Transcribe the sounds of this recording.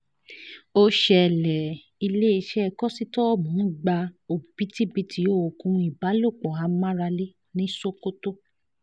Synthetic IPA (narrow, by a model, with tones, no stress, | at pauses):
o˧ʃɛ˨lɛ˨ | i˧le˦i˧ʃɛ˦˧kɔ˦si˦tɔ˦˨mũ˨˦ɡ͡ba˧o˨b̥i˨˦ti˦bi˧tʰi˨˦o˦˨o˨kũ˧i˨ba˨˦lo˦˨k͡pɔ˨a˨˧mã˦ɾa˧le˦ | nĩ˦so˦ko˦to˦